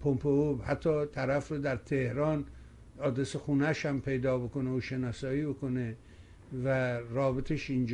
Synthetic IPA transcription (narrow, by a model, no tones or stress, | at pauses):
pʰompʰeobhæt̪ʰːɒːt̪ʰæɾæfɾod̪æɾt̪ʰehɾɒːn | ɒːd̪ɾesexuːnæʃhæmpʰe̞jd̪ɒːbe̞koneoʃenɒːsɒːiːbe̞kone | væɾɒːbet̪ʰeʃind͡ʒ